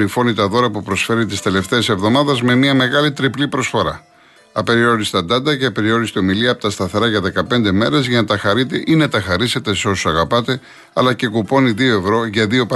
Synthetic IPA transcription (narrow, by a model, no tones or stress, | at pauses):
ifo̞nit̪ɐðo̞ɾɐpupɾo̞sfe̞ɾit̪ist̪e̞le̞ft̪e̞ːse̞vðo̞mɐðɐzme̞miɐme̞ɣɐlit̪ɾiplipɾo̞sfo̞ɾɐ | ɐpe̞ɾio̞ɾist̪ɐd̪ɐnd̪ɐceɐpe̞ɾio̞ɾist̪eo̞miliɐpot̪ɐst̪ɐθe̞ɾɐʝɐðe̞kɐpe̞nd̪e̞me̞ɾe̞zʝɐnɐt̪ɐxɐɾit̪e̞ʔinɐt̪ɐxɐɾise̞t̪e̞seo̞sosɐɣɐpɐt̪e̞ | ɐlɐce̞kupo̞niðio̞e̞vɾo̞ʝɐðio̞p